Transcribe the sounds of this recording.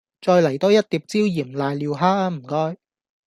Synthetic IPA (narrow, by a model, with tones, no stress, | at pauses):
t͡sɔː˧jlɐ˨˩jt̪ɔː˥jɐ˥t̚t̪iː˨p̚t͡siː˥wjiː˨˩mlaː˨˧jliː˧wɦaː˥aː˧m̩˨˩kɔː˥j